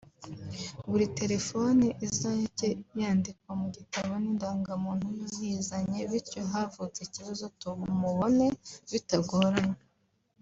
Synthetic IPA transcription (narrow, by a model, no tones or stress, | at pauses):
βuɾite̞ɾe̞fo̞niʔizaɲeceβjaːndikwamuɟitaβo̞nindaːŋɡamuːn̥hujuzizaɲe̞βiɾcoɦavut͡seciβazo̞tuβumuβo̞ne̞βitaɡoɾaɲe